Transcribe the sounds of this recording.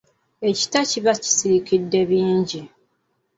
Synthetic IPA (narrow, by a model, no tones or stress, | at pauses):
eci̥taciβaci̥siɾikidːe̞βiːɲɟi